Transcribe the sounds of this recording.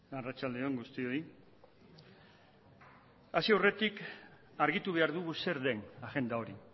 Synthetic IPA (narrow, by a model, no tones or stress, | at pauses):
arat͡ʃald̪eo̞ŋɡust̪io̞i | asiawre̞t̪ik | aɾɣit̪uβ̞eaɾðuɣuse̞ɾðe̞naɣe̞nd̪ao̞ɾi